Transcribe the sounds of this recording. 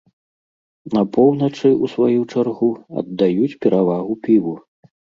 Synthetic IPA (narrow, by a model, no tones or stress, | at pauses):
nɐpɔwnɐt͡ʂɨusvajut͡ʂarɣuɐ̰d̪ːajut͡sʲpʲɛɾavaɣupʲivu